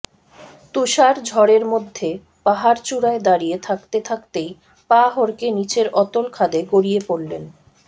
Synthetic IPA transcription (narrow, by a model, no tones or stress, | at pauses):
t̪uʃaɾd͡ʑʱɔɾeɾmod̪ʱːe | paɦaɾt͡ɕuɽaed̪aɾijet̪ʰakt̪et̪ʰakt̪ej | paɦɔɾkenit͡ɕeɾɔt̪olkʰad̪eɡoɽijepoɽlen